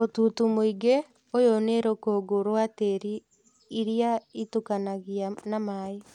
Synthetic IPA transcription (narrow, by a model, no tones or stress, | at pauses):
otutumoiɡe | ojoneɾokoɡoɾoateɾiː | ɾjaitukanaɣianamai